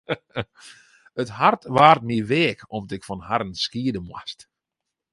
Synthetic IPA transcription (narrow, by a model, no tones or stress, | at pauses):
əthartʋaːrtmiʋeːkʰɔmdɪkfɔnɦaɾənskiədəmwa̰st